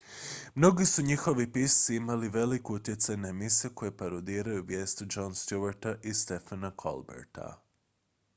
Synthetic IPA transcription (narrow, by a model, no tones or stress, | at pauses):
mno̞ɡisuɲixo̞ʋipissiimaliʋe̞likuut̪je̞t̪sajnaemisieko̞jepaɾod̪iːɾajuʋjeːst̪ud͡ʒonst̪juʋaɾt̪aʔist̪e̞fanakʰo̰lˠbḛɾt̪a̰